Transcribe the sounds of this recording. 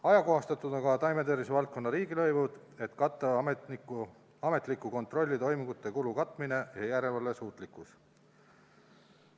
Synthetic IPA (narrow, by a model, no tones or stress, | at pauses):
ɑjɑko̞ɦɑst̪ɑt̪ud̪onkɑt̪ɑjmed̪eɾvisevɑlt̪̚ko̞nːɑɾiːɡilɤ̞jvud̪̥ | e̞t̪kɑt̪ˑːɑ | ɑme̞t̪ˑlikːˑuko̞nt̪ˑro̞lʲːit̪o̞jmiŋɡ̥ut̪ːˑe̞kulukɑt̪ːˑmine̞jɑjæɾe̞lvɑlːe̞suːt̪ˑlikːˑus